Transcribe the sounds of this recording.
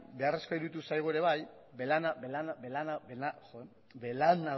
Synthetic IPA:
be̞areskojɾut̪usajɣ̞oeɾe̞βaj | belanabelanbelanabelaxo | belana

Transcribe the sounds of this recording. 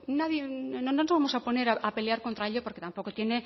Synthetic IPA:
naðjenononozβamo̞sapo̞ne̞ɾaʔape̞leaɾkont̪ɾaeʎopo̞ɾke̞t̪ampo̞ko̞t̪je̞ne̞

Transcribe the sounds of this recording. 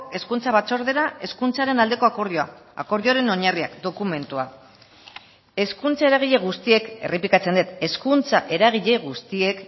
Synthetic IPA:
e̞skunt͡saβat͡so̞ɾðe̞ɾae̞skunt͡saɾe̞nald̪e̞ko̞akoɾioaa̰ko̞ɾðioɾe̞no̞ɲariakd̪o̞kume̞nt̪ua | e̞skunt͡sae̞ɾaɣ̞iʎe̞ɣ̞ust̪ie̞ke̞̰rʔepikat͡se̞nd̪et̪e̞skunt͡saʔe̞ɾaɣ̞iʎe̞ɣ̞ust̪ie̞k

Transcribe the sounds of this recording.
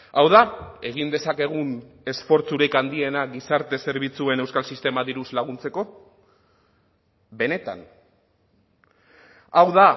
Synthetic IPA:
awðae̞ɣ̞ind̪e̞sake̞ɣ̞un | e̞sfo̞ɾt͡suɾekand̪ie̞naɣisaɾt̪e̞se̞ɾβit͡sue̞ne̞wskalsist̪e̞maðiɾuzlaɣunt͡se̞ko̞ | be̞ne̞t̪a̰n | awða

